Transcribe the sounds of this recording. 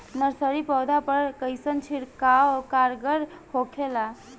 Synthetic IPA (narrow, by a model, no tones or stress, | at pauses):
nəɾsəɾipɔwd̪apəɾkəjsənt͡ʃʰiɽkakaɾɡəɾhokʰela